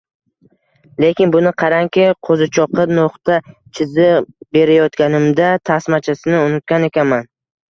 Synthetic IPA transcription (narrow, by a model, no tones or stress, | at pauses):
le̞kʲɪnbʊnɪqʰɑɾaŋkʲɪqʰozɪt͡ʃʰɒqɨnoχt̪at͡ʃʰɪzɪbe̞ɾajɒt̪kʲanɪmd̪at̪ʰasmat͡ʃʰasɪnɪʊnɪt̪̚kʲane̞kʲanman